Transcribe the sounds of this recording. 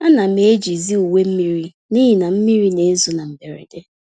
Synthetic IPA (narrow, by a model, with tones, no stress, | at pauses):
a˦na˨me˨e˦d͡ʒi˨zi˦u˨we˦m̩˦mi˦ɾi˦ | ni˦ɦi˨na˨m̩˦mi˦ɾi˦ne˨˦n̩˦zʊ˨na˨m̩˨be˨ɾḛ˨de˦